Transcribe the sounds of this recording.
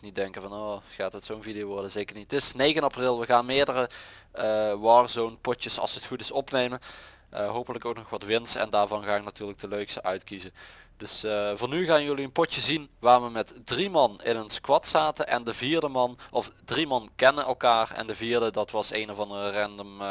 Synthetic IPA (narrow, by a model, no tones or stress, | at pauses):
nit̚dɛŋkəvɑnoːxaːtɦətsownvidijoʋɔɹdəzeːkəɹnittɪsnejɣənɑprɪlˠʋəɣaːnmɪːɹdərə | ʋɑrzownpɔtjəsɑ̰lˠsətxutɪsɔpnejmən | əɦowpələkowknɔxʋɑtʋɪnsɛ̰ndaːɹvɑnɣaːɪknatyːɹlək̚dəløɥkstəʔœɥtkizəd̥ɵsvɑnyɣaːnjɵliənpɔtəzinʋaːɹʋəmɛtdrimɑnɪnɔnskʋɑtsaːtəʔɛ̰ndəviːɹdəmɑnɔfdrimɑnkɛnənɛ̰lˠkaːrɛ̰ndəviːɹdədɑtʋɑsejnɔvɑndərərɛndəm